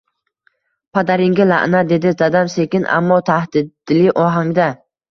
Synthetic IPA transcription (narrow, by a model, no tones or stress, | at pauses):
pʰad̪aɾɪŋɡʲala̰ʔnad̪e̞d̪ɪd̪ad̪amse̞kʲɪnʔa̰mːɒt̪ʰahd̪̥ɪd̪lɪʔɒɦaŋd̪a